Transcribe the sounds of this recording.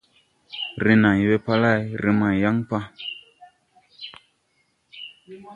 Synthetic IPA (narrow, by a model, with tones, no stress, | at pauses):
ɾi˨na˨jwe˦pa˦la˦˨ɾi˨ma˨ja˦ŋpa˦